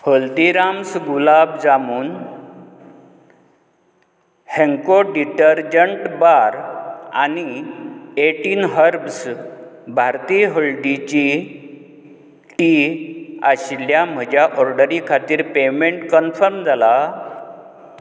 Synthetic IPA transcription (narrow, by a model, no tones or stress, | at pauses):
həlt̪iɾamsɡulabd͡zamuːn | hẽŋkoɖiʈəɾd͡ʑəɳʈbaɾa̰ni | eʈiːnɦəɾbs | bʱaɾt̪iɦəlɖit͡ɕi | ʈi | aɕljam̤əd͡ʑjaʔɔɾɖəɾikʰat̪iːɾpemeɳʈkənfəɾmd͡zʱala